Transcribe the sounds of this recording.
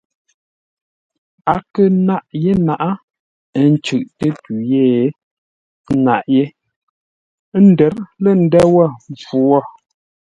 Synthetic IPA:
a˨kə˦na˦ʔje˦na˨ʔa˦ | n̩˦t͡ʃʉ˨ʔtə˦tu˨je˦˨˦ | na˨ʔje˦ | n̩˦də˨˦ɾlə˦˨n̩˦dɛ˦wɔ˦˨fu˨˦wɔ˦˨

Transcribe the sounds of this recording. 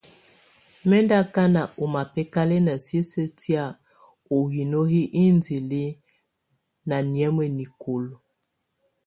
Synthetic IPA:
mɛ˦nda˦ka˦na˨o˨ma˨pɛ˦ka˦lɛ˦na˨si˦sə˦ti˦a˦˨ | o˨wi˨no˦ɦi˦ʔi˦nzi˨li˦ | na˨njɛ˦mə˨ni˨ko˨lo˨

